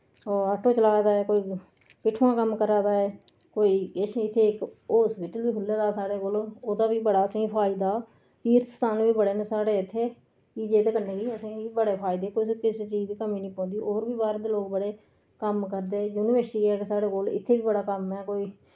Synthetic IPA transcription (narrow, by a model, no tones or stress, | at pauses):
aːʈoːt͡ʃəlaːd̪aːɛːkoːiː | pɪʈʰːuːãːkəmkəɾaːd̪aːɛː | koːiːɪt͡ʃʰɪt̪ʰːeːɪkoːsbɪʈəlʋiːɦʊlːeːd̪aːsaːɽeːkoːloːd̪aːbiːbəɽaːəsĩːpʰaːɪd̪aː | t̪iːɾst̪aːnʋiːbəɽeːnẽːsaːɽeːɪt̪ʰːeː | t͡ʃiːd͡ʒeːt̪eːkəɾnẽːɡiːəsĩːibəɽeːpʰaːɪd̪eːkoːskɪseːt͡ʃiːd͡ʒd͡ʒ̪ikəmĩːnĩːpɔ̃ːd̪iːʔoːɾbiːbaːɾd̪eːloːk̚bəɽeː | kəmkəɾd̪eːjuːnɪʋəɾsʈiːɛːkesaːɽeːkoːlɪ̰t̪ʰːeːʋiːbəɽaːkəmɛːkoːiː